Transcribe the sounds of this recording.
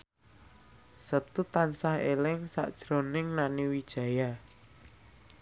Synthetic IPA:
sət̪ut̪ansahelɪŋsa̰ʔd̥ʒ̥ɾonɪŋnaniwid̥ʒ̥ä̤ja

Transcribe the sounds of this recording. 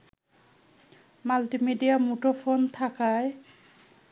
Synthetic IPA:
maltimidijamutɔpʰont̪ʰakaj

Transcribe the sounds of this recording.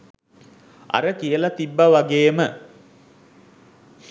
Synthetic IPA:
a̰ɾəkijəlat̪ibːaʋaɡeːmə

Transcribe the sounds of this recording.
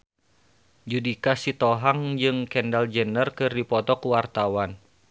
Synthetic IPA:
d͡ʒudikasit̪ɔɦaŋd͡ʒɨŋkɛndald͡ʒənərkɨrdipɔt̪ɔkuwart̪awan

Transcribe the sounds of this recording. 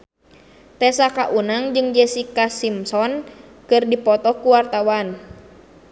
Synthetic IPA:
t̪ɛsakaʔunaŋd͡ʒɨŋd͡ʒɛsikasimsɔn | kɨrdipɔt̪ɔkuwart̪awan

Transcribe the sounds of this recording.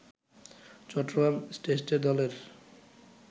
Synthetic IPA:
t͡ɕɔʈːoɡamsʈesʈeɾd̪ɔleɾ

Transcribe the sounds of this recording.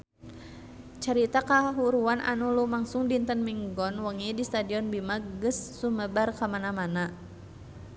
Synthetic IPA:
t͡ʃəɾit̪akaɦuɾuanʔa̰nulumaŋsuŋdint̪ənmiŋɡɔnwəŋidist̪adiɔnbimaɡəsːuməbarkamanamana

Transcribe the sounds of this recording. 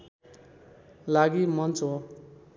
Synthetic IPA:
laɡimʌnt͡so

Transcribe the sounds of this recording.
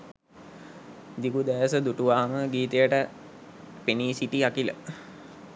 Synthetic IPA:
d̪ikud̪æjəsəd̪uʈuʋaːməɡiːt̪əjəʈə | peniːsiʈiakilə̰

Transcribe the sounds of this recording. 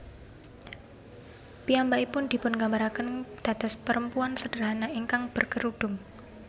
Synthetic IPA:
piambaipʊnd̪̥i̤pʊnɡambaɾakənd̪̥a̤t̪aspəɾəmpuansəd̥əɾɦanaiŋkaŋb̥ərkəɾuɖ̥ʊŋ

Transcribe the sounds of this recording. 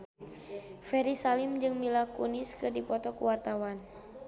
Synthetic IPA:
fɛɾisalimd͡ʒɨŋmilakuniskɨrdipɔt̪ɔkuwart̪awan

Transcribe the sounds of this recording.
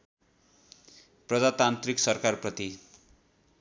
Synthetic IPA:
prʌd͡zat̪ant̪riksʌrkarprʌt̪i

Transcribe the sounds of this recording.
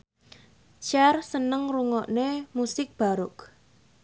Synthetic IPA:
t͡ʃarsənəŋruŋɔʔnemusɪk̚b̥a̤ɾʊk

